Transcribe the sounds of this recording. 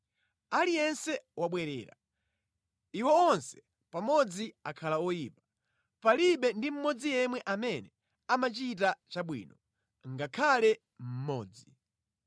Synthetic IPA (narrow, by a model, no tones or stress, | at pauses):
alijɛnsɛwaɓwɛɾɛ̰ːɾa̰ | iwɛɔnsɛ̥ | pamɔd͡ziakʰalaɔjiːpa | paliɓɛndim̩mɔd͡zijɛmwɛʔamɛnɛ | amat͡ʃit̬at͡ʃaɓwḭːnɔ | ŋɡakʰalɛ | m̩mɔːd͡zi